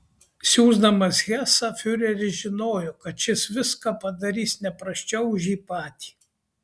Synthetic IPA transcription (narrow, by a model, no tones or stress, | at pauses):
sʲuːzd̪ɐmɐsɣʲæːsɐfʲʊɾʲɛɾʲɪʒʲɪnoːjɔkɐt̪t͡ʃʲɪsʋʲɪskɑːpɐd̪ɐɾʲiːsnʲɛpɾɐʃʲt͡ʃʲɛʊʊʒʲjiːpɑːt̪ʲi̥ː